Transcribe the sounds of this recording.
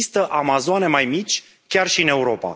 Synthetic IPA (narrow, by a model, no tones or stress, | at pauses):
ist̪əʔamazoane̞majmit͡ʃʲ | kʲarʃiɨne̞uɾo̞pa̰